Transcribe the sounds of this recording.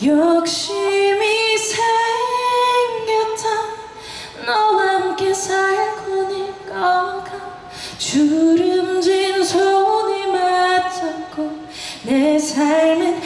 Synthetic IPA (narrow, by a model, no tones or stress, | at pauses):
jʌkɕimisʰa | ŋːansʰa | nʌnamkesʰajakonikʌŋkʰa | t͡ɕuɾɯmd͡ʑinsʰoonimat͡ɕʰak͈ʰo | nesʰaɭnɯn